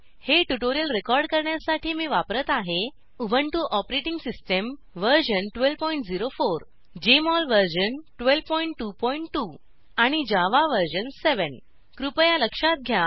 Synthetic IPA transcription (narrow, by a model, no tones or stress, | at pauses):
heʈuʈoɾijəlɾekɔɾɖkəɾɳjasaʈʰiːmiːʋapɾət̪aɦe | ubʱəɳʈuʔɔpɾeʈiŋɡsisʈəm | ʋəɾɕənʈʋelpɔiɳʈ̚d͡ziɾofoɾ | d͡ʑemɔlʋəɾɕənʈʋelʋpɔiɳʈːupɔiɳʈʈːu | aɽ̃id͡ʑaʋaʋəɾɕənseʋən | kɾupəjaləkʂat̪̚ɡʱja